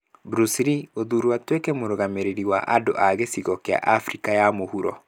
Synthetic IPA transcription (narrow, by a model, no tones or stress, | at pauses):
bɾusɾioðuɾuatwekɛmoɾoɣameɾeɾiwaʔado̰ʔaɣesiɣɔkea̰ʔafɾikajamohuɾɔ